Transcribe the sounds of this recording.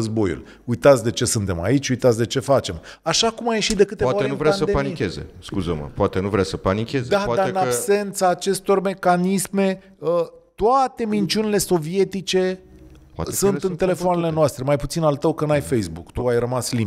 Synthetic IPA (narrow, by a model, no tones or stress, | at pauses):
əzbo̞jṵl | ujt̪at̪sʲd̪e̞t͡ʃe̞sɨnt̪e̞ma̰it͡ʃʲujt̪at̪sʲd̪e̞t͡ʃe̞fat͡ʃe̞m | aʃakumaje̞ʃit̪̚d̪e̞kɨt̪evaonuvɾaasəepanikʲezḛskuzəmə̰poat̪enuvɾeasəpanikʲezdd̪ad̪aɨnabse̞nt̪saːt͡ʃe̞st̪o̞rme̞kanisme̞ | ə | t̪oat̪e̞mint͡ʃiunile̞so̞vie̞t̪it͡ʃe̞ | pasunɨnnt̪e̞le̞foane̞le̞noast̪ɾe̞majput̪sinalt̪əwkənajfe̞jsbukt̪uajrəmasli